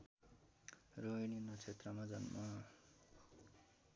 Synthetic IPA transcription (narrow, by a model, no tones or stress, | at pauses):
rojninʌt͡sʰet̪rʌmad͡zʌnma